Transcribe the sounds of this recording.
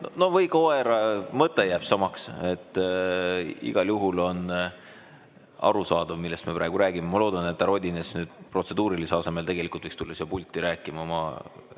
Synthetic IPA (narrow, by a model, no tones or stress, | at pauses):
nono̞vɤjkɑoeɾɑmɤt̪ːˑejæːb̥sɑmɑkse̞t̪ːˑ | ḭɡ̥ɑljuɦulo̞n | ɑ̰ɾusɑːd̪̥ɑvmilːe̞st̪mepɾæːɡ̥uɾæːɡ̥imemɑloːd̪̥ɑne̞t̪ːˑɑɾo̞d̪ʲinesnyːd̪̥pro̞t̪se̞d̪uːɾiliseɑse̞me̞lt̪e̞ɡ̥e̞likult̪vɤikst̪ulːɑsiɑpulʲt̪ʲːˑiɾæːkːˑimɑmɑ̰